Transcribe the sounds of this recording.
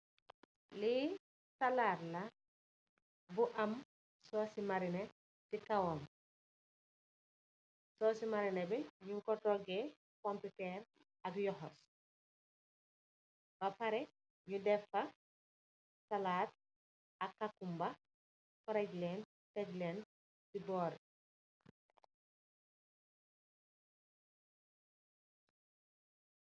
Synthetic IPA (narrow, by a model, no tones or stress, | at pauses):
li | sɐlaɾlɐ | buʔɐm | sɔːsimɐɾinɛ | sikɐwɔm | sɔsimɐɾinɛbɛɲuŋkɔtɔɡe | kɔmputɛr | ɐkjɔhɔs | bɐfɐɾɛ | ɲudɛfɐ | sɐlaːt̪̚ | ɐkːakːumbɐ | fɔɾɐɟleːn | tɛɟleːn | sibɔːɾ